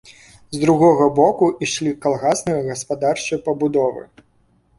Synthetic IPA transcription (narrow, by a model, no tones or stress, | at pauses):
zd̪ɾuɣɔɣɐbɔkuʔiʂlʲikalˠɣasnɐɨjɐɣɐspad̪art͡ʂɨjpɐbud̪ɔvɨ̰